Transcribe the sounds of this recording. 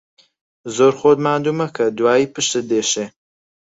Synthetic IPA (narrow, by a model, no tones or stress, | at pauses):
zoːɾxoːd̪maːnd̪uːmɐkʰɐd̪waːiːpɨʃt̪ɨd̪eːʃeː